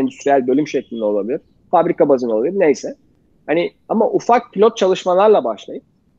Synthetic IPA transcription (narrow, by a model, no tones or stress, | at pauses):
ɛnd̪yst̪ɾijælʲbø̞lʲymʃeclʲind̪ɛo̞lˠabilʲiɾ̥ | fabɾikabazɯnolˠabilʲiɾnejsɛ | hani | amaʔufak̚pʰʲilʲot̪̚t͡ʃʰalˠɯʃmalˠaɾlˠabaʃlˠajɯp̚